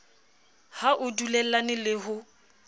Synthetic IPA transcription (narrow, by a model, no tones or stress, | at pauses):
haʔʊdulɛl̩lanɪlɪɦʊ